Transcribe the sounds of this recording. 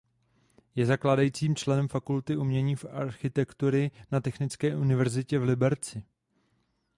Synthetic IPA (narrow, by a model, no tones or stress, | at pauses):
jɛzaklaːdajiːt͡siːmt͡ʃlɛnɛmfakult̪ɪʔumɲɛɲiːfa̰ɾxɪt̪ɛkt̪uɾɪnat̪ɛxnɪt͡skɛːʔunɪvɛɾzɪcɛvlɪbɛɾt͡sɪ